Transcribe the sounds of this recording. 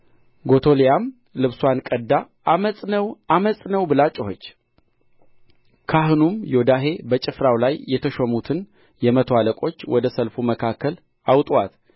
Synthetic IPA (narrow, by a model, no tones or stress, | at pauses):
ɡo̞t̪ʰo̞lijam | lɨβswankʼəd̪ːa | mənəwaməsʼnəwbɨlat͡ʃʼɪhot͡ʃː | kʰaɦɨnumjod̪aɦe̞bət͡ʃʼɪfɾawlajːɛt̪ʰəʃomut̪ʰɨn | jɛmət̪ʰwaləkʼo̞t͡ʃːwɔd̪əsəlfuməkʰakʰːəl | awt̪ʼwat̪